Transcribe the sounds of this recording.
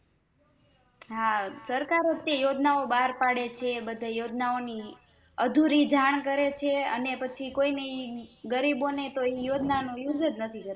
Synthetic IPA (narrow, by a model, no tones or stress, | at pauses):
ɦasəɾkaɾət̪jajod͡ʒnaobaɦɾpaɽet͡ʃʰebəd̪ʱajod͡ʒnaoni | əd̪ʱuɾid͡ʒaɳ̃kəɾet͡ʃʰeə̰nepət͡ʃʰikoineiɡəɾibonet̪oijod͡ʒnanojud͡ʒəd͡ʒnət̪ʰikəɾe